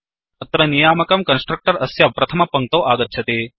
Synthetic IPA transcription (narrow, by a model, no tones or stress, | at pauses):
ɐt̪ɾɐnijaːmɐkɐmkɐnsʈɾɐk̚ʈɐɾɐsjaʋpɾɐt̪ʰɐmɐpɐŋk̚t̪ɐːʔaːɡɐt̪ːt͡ʃʰɐt̪eː